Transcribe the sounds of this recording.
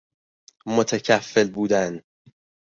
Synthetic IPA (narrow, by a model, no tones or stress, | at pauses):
mo̞t̪ʰæcʰæfːe̞lbuːd̪æn